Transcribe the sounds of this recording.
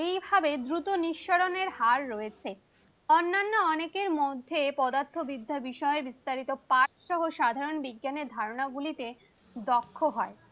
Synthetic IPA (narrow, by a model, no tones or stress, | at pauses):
ejbʱabed̪ɾut̪oniʃːoɾoneɾhaɾːoet͡ɕʰe | ɔnːanːoɔnekeɾmod̪ʱːepɔd̪aɾt̪ʰːobid̪ʱːabiʃɔebist̪aɾit̪opat͡ɕʃɔɦoʃad̪ʱaɾonbiɡːaneɾd̪ʱaɾonaɡulit̪e | d̪ɔkʰːoɦɔe